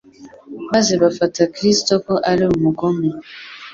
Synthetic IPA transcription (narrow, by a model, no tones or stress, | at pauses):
bazebafatakɾistokɔʔaleomokɔmu